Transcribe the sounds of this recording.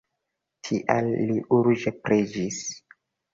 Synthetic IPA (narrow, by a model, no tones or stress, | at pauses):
tʰiʔalːiʔuɾd͡ʒepɾed͡ʒis